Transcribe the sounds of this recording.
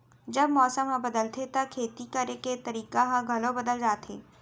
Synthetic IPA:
d͡ʒɐbmɔːsəmɦɐ̃bɐd̪əlt̪ʰet̪ɐkʰeːt̪ikɐɾeket̪ɐɾiːkaɦãɡʱɐlõbɐd̪əld͡ʒaːt̪ʰḛː

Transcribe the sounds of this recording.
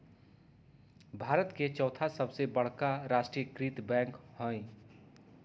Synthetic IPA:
bʱaːɾət̪ket͡ʃɔːt̪ʰasɐbsebɐɽ̤kaɾaːʃʈɾijəkɾiːt̪bɛ̃ːŋkhõːĩ

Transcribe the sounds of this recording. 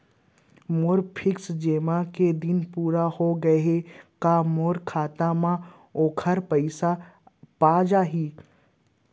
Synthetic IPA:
moːɾpʰɪksd͡ʒeːmaked̪ɪnpuːɾahoɡɐekamoːɾkʰaːt̪amã | oːkʰəɾpəɪsapaːd͡ʒaɦiː

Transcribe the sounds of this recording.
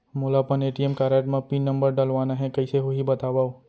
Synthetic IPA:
molapɐneːʈiemkaːɾeːʈmɐ̃pinːɐ̃mbəɾɖɐlʋaːnaɦɛkɐiseɦoɦibɐt̪aːʋaːo

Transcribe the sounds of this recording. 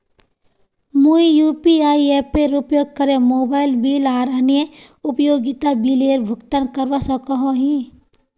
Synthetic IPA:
muijupiaːiepeɾʊpjoːɡ̚kəɾemoːbaːɪlbiːlaːɾaːnjeʊpjoːɡɪt̪abiːleːɾbʱʊkt̪ankəɾʋasɐ̃kɔɦõɦĩ

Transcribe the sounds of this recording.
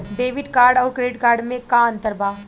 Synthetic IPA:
ɖeːʋɪɖkaːɾɖɔːɾkɾeɖɪʈkaːɾɖmẽkaɐ̃nt̪əɾbaː

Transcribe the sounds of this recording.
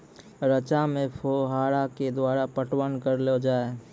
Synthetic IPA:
ɾət͡ʃamẽpʰoɦaːɾaked̪waːɾapəʈwənkəɾlod͡ʒaːe

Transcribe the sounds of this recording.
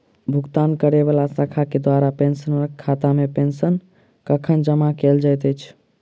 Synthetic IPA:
bʱuɡt̪ankəɾeβalasakʰaked̪waɾapensənɔɾkʰat̪amepensən | kəkʰənd͡ʒəmakeld͡ʒajt̪ət͡ʃʰ

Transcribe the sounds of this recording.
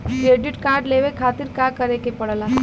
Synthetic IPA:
kɾeːɖɪʈkãːɾɖleʋekʰaːt̪iɾkakəɾekepɐɽla

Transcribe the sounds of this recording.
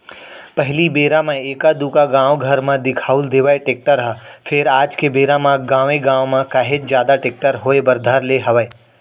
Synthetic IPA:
pɐɦlibeːɾamãeːkad̪uːkaɡãːʋɡʱɐɾmãd̪ɪkʰaːʊld̪eːʋaeʈeːk̚ʈəɾɦəfʰɪɾaːd͡ʒkebeːɾãmãɡãːʋẽɡãːwmãkaːɦet͡ʃzjaːd̪aʈeːk̚ʈəɾɦoːebɐɾd̪ʱaɾleɦɐʋəe

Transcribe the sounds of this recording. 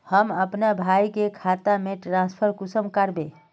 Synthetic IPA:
həməpnabʱajkekʰat̪ameʈɾãspʰəɾkusəmkəɾbe

